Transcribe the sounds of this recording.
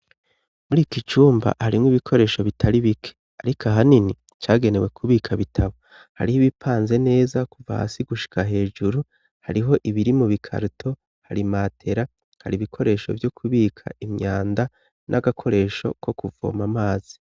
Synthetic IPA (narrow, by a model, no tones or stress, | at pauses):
muɾiːkit͡ʃuːmba̰haɾimŋwiβikʰo̞ɾe̞ːʃo̞βitʰaɾiβikʰe̥ | aɾikʰaɦanini | t͡ʃaːɡe̞ne̞we̞kʰuβiːkʰaβitʰaβo̞ | ha̰ɾihiβipʰaːnze̞ne̞ːzakuva̰ha̰siɡuʃi̥kaɦe̞ːd͡ʒuɾu | haɾiɦo̞ʔiβiɾimuβikʰa̰ɾutʰo̞ | haɾimaːtʰe̞ɾa | haɾiβikʰo̞ɾe̞ːʃo̞̰vjo̞kʰuβiːkʰa̰imɲaːnda | nʔaɡakʰo̞ɾe̞ːʃo̞̰kʰo̞kuvo̰ːmamaːz̥i̥